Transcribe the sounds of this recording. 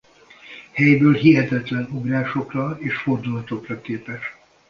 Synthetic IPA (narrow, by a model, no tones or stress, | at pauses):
hɛjbøːlɦiɦɛt̪ɛt̪lɛnoɡraːʃo̞krɒeːʃfo̞rd̪ulɒt̪o̞krɒkeːpɛʃ